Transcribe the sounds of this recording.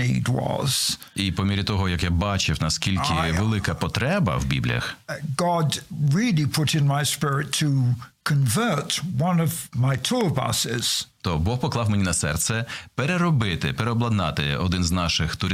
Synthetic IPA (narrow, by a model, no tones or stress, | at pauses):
ḭd̚wʌ̰z̥ | ipɔmʲiɾʲit̪ɔɦɔjɐkjabɑt͡ʃɪwnɐskʲilʲkɪʋelˠɪkɐpɔt̪ɾɛbɐ̰wbʲḭblʲijɐ̰xɡ̥ɑdɹilˠipʰʊɾɨ̃nmaɪspɪɹɪtʰəkʰɨ̃ɱvɜ˞twʌ̃nʌvmaɪtʰɔɹbʌ̰sɪz̥t̪ɔbɔxpɔklˠɑwmenʲinɐsɛrt̪sɛpeɾeɾɔbɪt̪ɪpeɾeɔblˠɐd̪nɑ̰t̪ɪ̰ɔd̪ɪnznɑʃɪxt̪ʊɾ